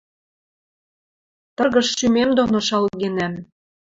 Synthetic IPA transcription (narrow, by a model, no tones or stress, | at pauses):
t̪ɤrɣɤ̆ʃʃymemd̪onoʃɑlɣenæm